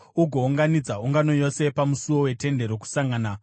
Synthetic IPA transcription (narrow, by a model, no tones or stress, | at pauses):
uɡʱo̞uŋɡanid͡zauŋɡano̞jo̞se̞pamusuwo̞we̞te̞nde̞ɾo̞ku̥saŋɡaːna